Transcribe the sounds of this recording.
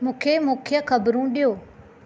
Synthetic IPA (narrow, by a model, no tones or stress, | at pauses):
mũːkʰemũːkʰɪjəxɐbɾũɗijoː